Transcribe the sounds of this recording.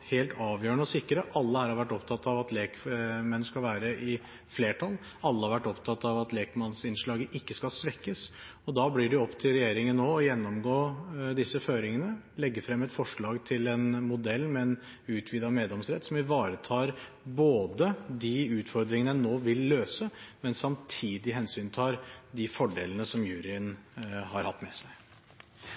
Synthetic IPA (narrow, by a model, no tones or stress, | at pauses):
heːlt̪ʰɑːʋjœːəɳəɔsɪkːɾəʔɑlːəhæːɾhɑɾʋæʈːɔpt̪ʰɑt̪ːɑʋɑt̪leːkmɛnskɑlʋæːɾəʔɪ | fleːʈʰɑlː | ɑlːəhɑɾʋæʈːɔpt̪ʰɑt̪ːɑʋɑt̪leːkmɑnsɪnʂɭɑːɡəʔɪkːəskɑlsʋɛkːəs | ɔd̪ɑːblɪɖɛɔpːt̪ʰɪlɾɛjeːɾɪŋənnoːɔjɛnːɔmɡoːd̪ɪsːəføːɾɪŋənəlɛɡːəfɾɛmːɛt̪fɔʂɭɑːɡt̪ʰɪlɛnmʊd̪ɛlːmɛɛn | ʉːt̪ʰʋiːd̪ɑmeːd̪lɛmsɾɛ̰t̪ːsɔmɪʋɑːɾət̪ʰɑːɾ | boːd̪əd̪iʉːt̪fɔɾd̪ɾɪŋənənoːʋɪlːøːsəmɛnsɑmt̪ʰiːd̪ɪɦɛnsyːnt̪ʰɑːɾd̪ɪfɔɖḛːlənəsɔmjʉːɾɪənhɑɾhɑt̪ːmɛ̰sæɪ